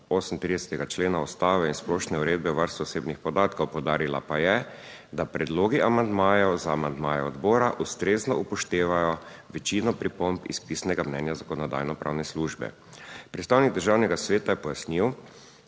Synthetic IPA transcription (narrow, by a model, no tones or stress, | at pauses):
osn̩t̪ɾid̪ɛsɛ̥t̪ɛɡat͡ʃleːnaɔst̪aːʋɛinsplɔʃnɛuɾeːd̪̚bɛwʋəɾst̪uɔseːbnixpɔd̪aːt̪kowpɔwd̪aːɾila̰pajɛ | d̪apɾɛd̪loːɡiʔamand̪maːjɔzaːmand̪maːjɛɔd̪bɔːɾaʔust̪ɾeːznɔʔupɔʃt̪eːʋajɔ | ʋɛt͡ʃinɔpɾipɔmpḭspiːsnɛɡamnɛnjazakɔnɔd̪a̰jnɔpɾa̰ːwnɛsluʒbɛ̰ | pɾɛt̪st̪aːwniɡ̚d̪əɾʒaːwnɛɡasʋeːt̪ajɛpɔjasniw